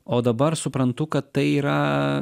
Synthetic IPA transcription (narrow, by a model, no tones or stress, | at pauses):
oːd̪ɐbɐɾsʊpɾɐnt̪ʊkɐt̪ːɐɪiːɾɐ